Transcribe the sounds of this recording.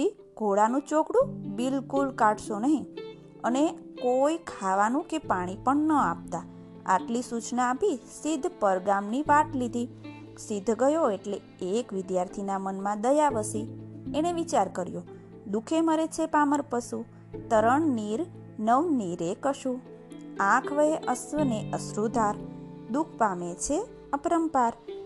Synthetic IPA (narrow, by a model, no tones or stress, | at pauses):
i | ɡʱoɽanũt͡ʃokɽũbɪlkulkaʈʰʃonəɦĩ | əne | kojkʰaʋanũkepaɽ̃ipəɳnəap̚t̪a | a̰ʈlisut͡ʃnaːpisɪd̪ʱpəɾɡamniʋaʈlid̪ʱi | sɪd̪ʱɡəjoeʈle | ekʋɪd̪jaɾt̪ʰinamənmãd̪əjaʋəsieneʋit͡ʃaɾkəɾjõ | d̪ukʰeməɾet͡ʃʰepaməɾpəsu | t̪əɾəɳniɾ | nəʋniɾekəʃũ | ãkʰʋəeʔəsʋəneʔəsɾud̪ʱaɾd̪ukʰpamet͡ʃʰe | əpɾəmpaɾ